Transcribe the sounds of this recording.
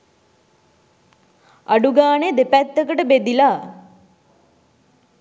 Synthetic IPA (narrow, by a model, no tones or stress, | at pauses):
aɖuɡaːned̪epæt̪ːəkəʈəbed̪ilaː